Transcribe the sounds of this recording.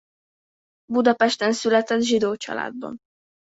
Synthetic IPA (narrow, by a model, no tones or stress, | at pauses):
bud̪ɒpɛʃt̪ɛnsylɛt̪ɛd̪ʒid̪oːt͡ʃɒ̰la̰ːd̪̚bɒ̰n